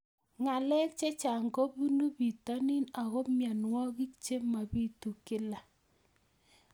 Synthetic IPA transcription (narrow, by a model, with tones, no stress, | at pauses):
ŋa˨lɛ˦k̚t͡ʃe˦t͡ʃa˨ŋɡo˦bu˦nu˦bi˨ta˦nɪ˦na˨ɣɔ˦mja˨nwɔ˦ɣi˦k̚t͡ʃe˦ma˨bi˦tu˨kɪ˦la˨